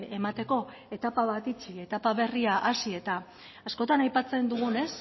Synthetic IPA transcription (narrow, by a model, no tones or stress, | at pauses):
e̞mat̪e̞ko̞ | e̞t̪apaβ̞at̪it͡ʃie̞t̪apaβ̞e̞riaʔasie̞t̪aː | sko̞t̪anajpat͡se̞nd̪uɣ̞une̞s